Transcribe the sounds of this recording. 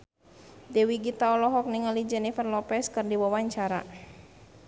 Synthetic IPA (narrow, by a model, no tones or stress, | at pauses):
dɛwiɡit̪aɔlɔɦɔk̚niŋəlid͡ʒɛnifɛrlɔpɛskɨrdiwawaɲt͡ʃaɾa̰